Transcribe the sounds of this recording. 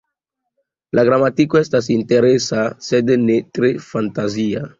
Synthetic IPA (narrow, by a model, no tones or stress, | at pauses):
lʔaɡɾamat̪ikwɛst̪as̬int̪eɾesasɛd̪enet̪ɾefant̪azia